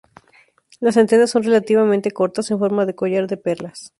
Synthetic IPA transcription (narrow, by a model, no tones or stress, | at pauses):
lasent̪enaso̞nre̞lat̪iβamẽnt̪e̞ko̞ɾt̪ase̞ɱfo̞ɾmaðe̞ko̞ʝaɾðe̞pe̞ɾlas